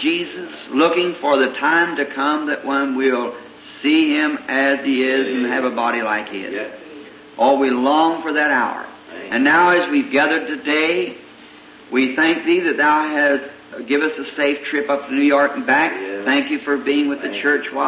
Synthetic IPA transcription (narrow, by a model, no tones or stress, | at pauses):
dd͡ʒizɨslʊkɪ̃ŋfə˞ðɨtʰãɪ̃mtɨkʰʌ̃mðɨʔwʔʌ̃nwɪlˠ | siɪ̃mɨz̥iɪz̃n̩ɨvəbɑɾilaɪkɪ̰z | ʔɔlˠwilɔ̃ŋfə˞ðɨɾaʊə̰˞ | ɨ̃nːaʊɨzwivɡæðə˞d̚tɨdeɪ | wiθæ̃ŋk̚ðiðɨt̪̚ðaʊɨst | ɡ̥ɪvɨstɨseɪftʰɹ̥ɪpʌpnʉjɔɹkn̩bæk̚θæ̃ŋkjɨfə˞biɪ̃ŋwɨðɨt͡ʃʰɜ˞t͡ʃwa